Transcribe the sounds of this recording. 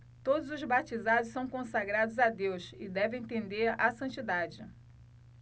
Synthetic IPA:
t̪od̪ʊzʊzbat͡ʃizad̪ʊssɐ̃w̃kõsaɡɾad̪ʊzad̪ewsɪd̪ɛvẽt̪ẽnd̪eɾasɐ̃nt͡ʃid̪ad͡ʒɪ̰

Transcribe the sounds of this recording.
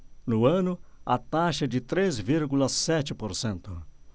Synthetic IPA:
nʊɐ̃nʊɐt̪aʃɐd͡ʒɪt̪ɾezviɾɡulɐsɛt͡ʃɪpoɾsẽnt̪ʊ

